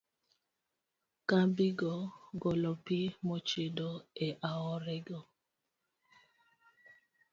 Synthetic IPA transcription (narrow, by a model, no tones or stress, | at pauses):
kabiɡɔɡɔlɔpimɔt͡ʃedɔeʔaɔɾɛɡɔ